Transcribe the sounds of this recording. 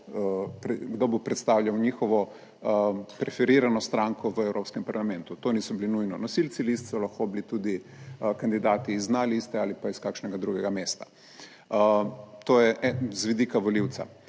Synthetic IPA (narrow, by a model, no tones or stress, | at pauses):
pɾɛɡd̪obupɾɛt̪st̪awʎʲjawɲiːxɔʋɔ | pɾɛfɛɾiːɾanɔst̪ɾaŋkɔʋəɛwɾʔoːpskɛmpaɾlamɛnt̪ut̪oːniːsɔbilinujnɔnɔsilt̪silist̪sɔlaxkobilit̪ud̪ikand̪id̪aːt̪iːznalist̪ɛalipaiskakʃnɛɡad̪ɾuɡɛɡameːst̪ḁ | t̪oːjɛʔɛzʋid̪ikaʋoliwt̪sa̰